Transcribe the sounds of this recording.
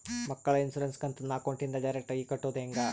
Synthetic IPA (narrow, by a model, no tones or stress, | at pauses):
mɐkːɐɭɐinsuɾenskɐnt̪unːaːkoɳʈind̪ɐɖɐjɾek̚ʈɐikɐʈːod̪eŋɡɐ